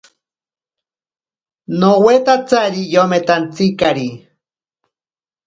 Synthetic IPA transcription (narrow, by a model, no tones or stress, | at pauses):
nowet̪at͡saɾijomet̪ant͡sikaɾi